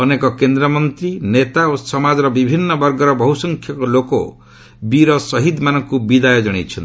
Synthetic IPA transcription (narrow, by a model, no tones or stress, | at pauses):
ɔnekɔkend̪ɾɔmɔnt̪ɾinet̪aosɔmad͡ʒɔɾɔbibʱinːɔbɔɾɡɔɾɔbɔɦusɔŋkʰjɔkɔlokɔ̰ | biɾɔsɔɦid̪manɔŋkubid̪ajɔd͡ʒɔɽ̃ḛt͡ʃʰɔnt̪i